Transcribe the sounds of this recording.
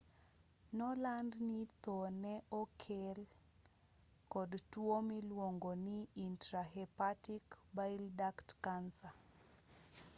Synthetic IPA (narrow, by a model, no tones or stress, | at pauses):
nɔlandnit̪onɛɔkʰel | kɔdtwomilwoŋɡoniintɾaɦɛpatikbaildaktkansa